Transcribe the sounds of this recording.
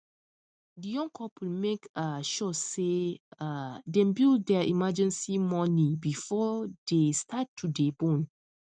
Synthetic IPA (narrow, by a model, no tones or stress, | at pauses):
dijɔ̃ŋkʰɔpʰl̩mekaʃɔseadɛ̃mbilddɛʔḭmad͡ʒɛ̃nsimɔnibifɔdestʰatʰːudebõn